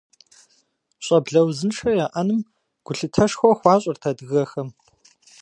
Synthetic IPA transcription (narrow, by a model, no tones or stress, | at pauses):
ɕʼɐbɮɐwzɨnʂʰɐjaːʔɐnɨm | ɡ̥ʷʊɬɨtʰɐʂxʷɔxʷɑːɕʼɐrtʰɐdɨɣɐxɐm